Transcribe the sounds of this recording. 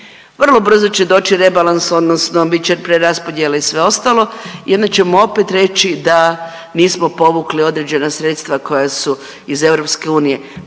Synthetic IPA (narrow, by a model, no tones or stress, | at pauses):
ʋr̩lˠo̞br̩zo̞t͡ɕed̪o̞ːt͡ʃiɾe̞balanso̞d̪nosnobit͡ʃeɾpɾeɾaspod̪jeleisʋe̞o̞st̪alˠo̞io̞nd̪at͡ɕe̞moo̞pet̪ɾe̞t͡ʃid̪a | niːsmo̞po̞ʋuklio̞d̪ɾed͡ʑe̞nasɾe̞t̪st̪ʋako̞jasu | ize̞vɾo̞pske̞uːnije̞